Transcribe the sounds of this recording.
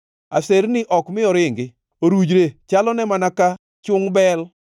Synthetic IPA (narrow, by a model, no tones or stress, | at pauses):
a̰seɾnɪʔɔkmɪɔɾɪŋɡɪ | oɾud͡ʒɾet͡ʃalɔnɛmanaka | t͡ʃʊŋbɛl